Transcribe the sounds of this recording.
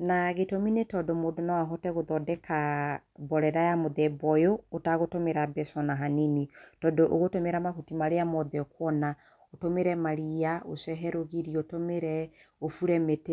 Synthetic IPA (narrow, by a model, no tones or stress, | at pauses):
naɣetominetɔdomodonawaɦɔtɛɣoðɔdɛkʰabɔɾɛɾajamoðɛbɔjoːtaɣotomeɾabɛsɔnaɦanenitɔdɔʔoɣotomeɾamaɦutimaɾeamɔðɛɔkwɔna | otomeɾɛmaɾiaosɛɦɛɾoɣiɾiotomeɾɛofuɾɛmete